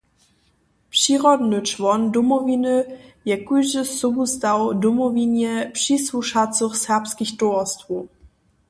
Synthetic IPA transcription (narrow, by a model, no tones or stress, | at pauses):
pʂiʁɔd̪nɘt͡ʂvɔndɔmɔvʲinɘjɛkujʐɘsɔbust̪awdɔmɔvʲinjɛpʂiswuʂat̪t͡s̪uxsɛʁpskʲixtɔɔst̪vu